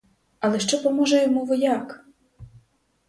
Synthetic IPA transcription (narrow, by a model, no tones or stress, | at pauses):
ɐlˠɛʃt͡ʃɔpɔmɔʒɛjɔmuʋɔjak